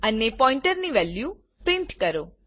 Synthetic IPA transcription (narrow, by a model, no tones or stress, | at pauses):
ənepɔiɳʈəɾniʋɛlju | pɾɪ̃ɳʈkəɾo